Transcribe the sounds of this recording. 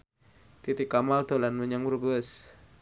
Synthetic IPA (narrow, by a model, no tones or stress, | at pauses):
t̪it̪ikamalt̪olanmuɲaŋbəɾubəs